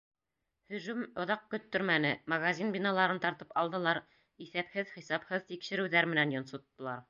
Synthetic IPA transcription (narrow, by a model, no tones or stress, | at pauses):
hɵ̆ʒʉmŏðɑq̚kɵ̆t̪ːɵ̆ɾmænɘmɐɣazʲinbinɑlˠɑɾɤnt̪ɑɾt̪ɤpɑlˠd̪ɤ̆lˠɑɾ | iθæphɘðχisɑphɤðt̪ikʃɘ̆ɾɘ̆wðæɾmɘ̆nænjŏnsŏt̪ːɤ̆lˠɑɾ